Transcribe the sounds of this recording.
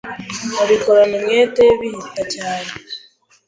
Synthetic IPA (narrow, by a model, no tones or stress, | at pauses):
oβikoɾonemjeːteβihitacaːne